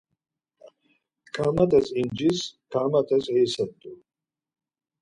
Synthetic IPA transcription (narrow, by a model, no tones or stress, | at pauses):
kʰamat̪ʼazind͡ʒiskʰamat̪ʼasɛsad̪d̪u